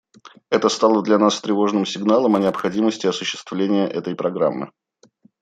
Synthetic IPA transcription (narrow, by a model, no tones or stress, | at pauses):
ɛt̪əst̪alˠəd̪lʲɐnast̪ɾʲɪvo̞ʐnɨmsʲɪɡnalˠəmɐnʲɪəpxɐdʲiməsʲtʲɪɐsʊɕːɪ̥st̪vlʲenʲɪjəʔɛt̪əjpɾɐɡɾa̰mːɨ̰